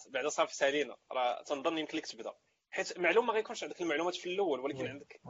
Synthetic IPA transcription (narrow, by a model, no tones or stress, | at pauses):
baʕd̪æsˤɑɾfi̥sælinæ̰ɾˤɑ̰t̪ənd̪ˤɑnːjəmklikt̪əbd̪æ̰ | ħit̪maʕlumːæɣæjkunʃʕənd̪əkəlmaʕlumæt̪filʔæwːəlwəlækənʕənd̪ək